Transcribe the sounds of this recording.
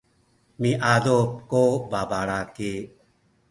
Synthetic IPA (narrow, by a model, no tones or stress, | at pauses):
mĩʔaːd̪oːp̚koːbaːbaːɽaːke